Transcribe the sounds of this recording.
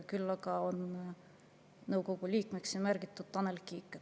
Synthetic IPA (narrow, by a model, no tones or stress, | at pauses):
kylːɑɡɑo̞n | nɤwko̞ɡ̥ulʲiːkmeksjɑmærɡ̥it̪ːˑud̪̚t̪ɑnelkikːˑe